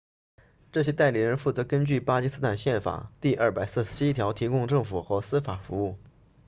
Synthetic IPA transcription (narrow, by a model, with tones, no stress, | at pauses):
ʈ͡ʂɤ˥˩ɕjɛ˥t̪a˥˩ɪli˨˩ɻə˧˥nfu˥˩t͡sɤ˧˥kə˥nt͡ɕy˥˩pa˥t͡ɕi˥sɹ̩˥t̪ʰa˥˧nɕjɛ˥˩nfa̰˨˩˦t̪i˥˧ʔɐ˞˥˩pa˨˩ɪsɹ̩˥˩ʂɻ̩˥˩ʂ̩˧˥i˥t̪ʰjɑ˧˥ʊt̪ʰi˧˥kʊ˥˧ŋʈ͡ʂɤ˥˩ŋfu˨˩xɤ˧˥sɹ̩˥fa˨˩fu˧˥u˥˩